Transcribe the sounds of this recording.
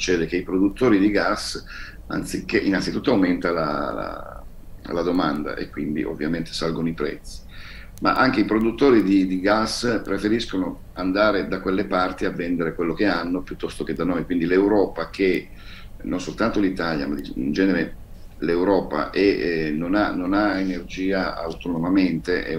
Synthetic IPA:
su̥t͡ʃːɛːd̪ek̟eipɾod̪ut̪ːoːɾid̪iɡasː | a̰nt̪sikːeʔinːansit̪ut̪ːoawment̪ala̰la̰ | lad̪omand̪a̰ʔḛkːwind̪ḭʔo̰vːjament̪e̥salɡonoipɾɛ̰t̪sːi̥ | ma̰ʔaŋk̟eipɾod̪ut̪ːoːɾid̪id̪iɡaspɾefeɾiskono | and̪aːɾed̪akwelːepart̪iavːɛnd̪eɾekwelːok̟eanːopjut̪ːɔst̪oked̪anojkwind̪ilewɾɔːpakʰe | nonsolt̪ant̪olit̪alja̰mad̪iḭnd͡ʒɛːneɾe | lewɾɔːpa̰ʔɛnonanonaenerd͡ʒiːaa̰wt̪onomament̪eʔɛ̰

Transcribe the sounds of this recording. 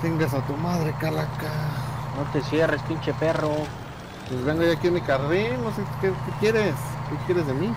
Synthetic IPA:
t̪eŋɡasat̪umaðɾekalakanot̪esjerespint͡ʃepero | pwezβeŋɡojakienmikaɾinnosekekekjeɾeskekjeɾezðemi

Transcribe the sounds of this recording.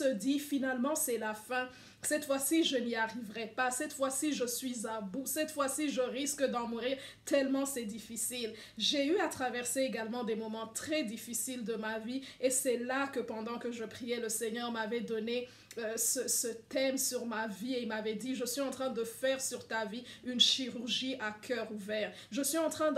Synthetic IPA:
əd̪ifinalmɑ̃sɛlafɛ̃ | sɛt̪fwasiʒəniaʁivʁɛpasɛt̪fwasiʒəsɥizabusɛt̪fwasiʒəʁiskd̪ɑ̃muʁiʁ | t̪ɛlmɑ̃sɛd̪ifisil | ʒeyat̪χavɛʁseeɡalmɑ̃d̪emɔmɑ̃t̪χɛd̪ifisild̪əmaviesɛlakəpɑ̃d̪ɑ̃kəʒəpχijɛləsɛɲœʁmavɛd̪ɔne | øsəsət̪ɛmsyʁmavieilmavɛd̪iʒəsɥiɑ̃t̪χɛ̃d̪əfɛʁsyʁt̪aviynʃiʁyʁʒiakʰœʁuvɛːʁ | ʒəsɥiɑ̃t̪χɛ̃

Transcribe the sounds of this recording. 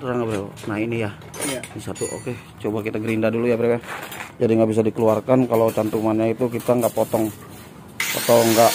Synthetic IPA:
t̪uɾaŋɡabɾewa̰nainija | nisat̪uʔo̰ke | t͡ʃobakit̪aɡəɾindadulujabəɾewad͡ʒadiŋɡaʔbis̬adikəluarkankalowt͡ʃant̪umanɲait̪ukit̪aŋɡaʔpot̪ɔŋ | pɔ̰t̪ɔŋɡaʔ

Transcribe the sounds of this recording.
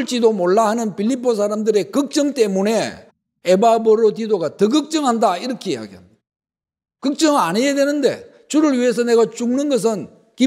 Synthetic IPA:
ɭt͡ɕ͈idomoɭːaɦanɯnpʰiʎːipʰːos̬ʰaɾamdɯɾe̞kɯk̚t͡ɕ͈ʌŋt͈e̞mune̞ | ebaboɾotidoɡatʌɡɯk̚t͡ɕ͈ʌŋɦandaiɾʌkʰejeja̰ɡia̰ | kɯk̚t͡ɕ͈ʌŋanejedwe̞nɯnde̞̰ | t͡ɕuɾɯɭɥiɦe̞s̬ʰʌne̞ɡat͡ɕuŋnɯnɡʌs̬ʰɯn | ki

